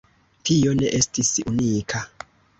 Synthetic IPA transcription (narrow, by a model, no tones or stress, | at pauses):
tʰijɔnɛʔestʰisiʔuniːkʰa